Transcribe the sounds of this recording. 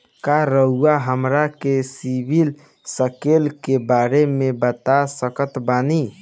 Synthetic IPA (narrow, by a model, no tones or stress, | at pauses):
kaɾəɦuaɦəmɾakesibʱil | səkelkebaɾemebət̪asəkət̪bani